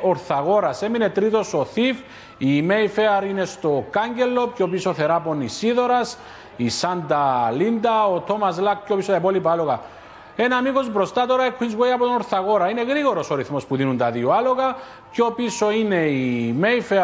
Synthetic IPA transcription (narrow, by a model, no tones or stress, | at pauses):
oɾθaɣo̞ɾasemine̞t̪ɾit̪o̞so̞θif | imeifeaɾine̞st̪okaɲɟe̞lːo̞pcopisoθe̞ɾaponisiðo̞ɾas | isand̪alind̪aot̪omazlak̚ceopisot̪apolipalo̞ɣa | enamiɣo̞zbɾo̞st̪at̪o̞ɾaekʰːinzwejɐpot̪onoɾθaɣo̞ɾaine̞ɣɾiɣo̞ɾo̞soɾiθmo̞spuðinunt̪ɐðioalo̞ɣa | co̞piso̞ine̞imejfe